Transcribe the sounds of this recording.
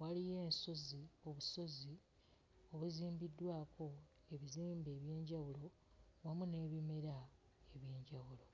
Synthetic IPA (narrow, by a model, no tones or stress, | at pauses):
walije̞ːnso̞zio̞βuso̞zi | o̞βuziːmbidːwaːko̞ | e̞βiziːmbe̞ːβje̞ːɲɟawulo̞ | wamune̞ːβime̞ɾa | eβje̞ːɲɟawulo̞